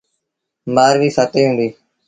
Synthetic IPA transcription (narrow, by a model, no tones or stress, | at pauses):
maːɾʋiːsaːt̪eːɦũːnd̪iː